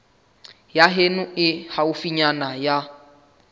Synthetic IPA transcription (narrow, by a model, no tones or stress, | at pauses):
jaɦenʊɪhaʊfiɲanaja